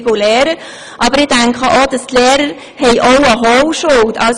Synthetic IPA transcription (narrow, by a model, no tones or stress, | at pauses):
ɡulɛːɾə | ʔɑbəɾɪd̥æŋkχəʔod̥ɑst̪lɛːɾəɾ | hɛɪʔoʊəɦowʃoltʰɑls